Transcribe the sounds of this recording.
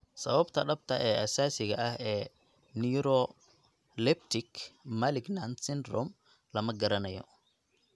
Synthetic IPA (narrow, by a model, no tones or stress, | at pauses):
sɐ̰βɐbt̪ʰɐɖɐb̚t̪ʰɐʔɛːʔɐsaːsɪɣɐʔɐɦɛː | niɾɔ | lɛp̚t̪ʰɪkmɐlɪɡnant̪sɪnd̪rɔm | lɐmɐɡɐɾɐnɐjɔ̰